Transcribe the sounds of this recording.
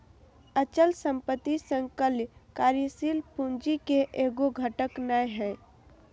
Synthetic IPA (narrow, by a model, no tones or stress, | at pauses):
ət͡ʃəlsə̃mpət̪ːisə̃ŋkəljkaːɾjəsilpund͡ʒikeʔeːɡoɡʱəʈəknajɦɛ̃ː